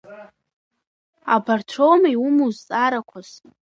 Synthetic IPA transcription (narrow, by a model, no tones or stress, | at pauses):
abartʰromajumuzt͡sʼaɾakʷʰaz